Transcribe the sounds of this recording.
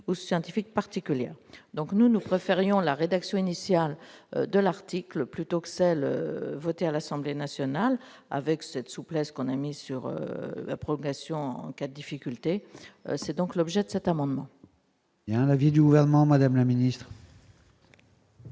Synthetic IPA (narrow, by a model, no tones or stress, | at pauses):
usjɑ̃t̪ifik̚paʁt̪ikʲyljɛ̰ːʁd̪ɔ̃knunupχefeʁjɔ̃laʁed̪aksjɔ̃inisjal̰d̪əlaʁt̪ikləplyt̪okə̥sɛlø̰vɔt̪ealasɑ̃blenasjɔnal | a̰vɛksɛt̪suplɛskɔ̃namisyʁø̰la̰pχɔlɔ̃ɡasjɔ̃ɑ̃ɑ̃kad̪əd̪ifikʲylt̪ḛsɛd̪ɔ̃klɔbʒɛd̪əsɛt̪amɑ̃d̪mɑ̃ | jɛ̃lavid̪yɡuvɛʁnəmɑ̃mad̪amlaminist̪χ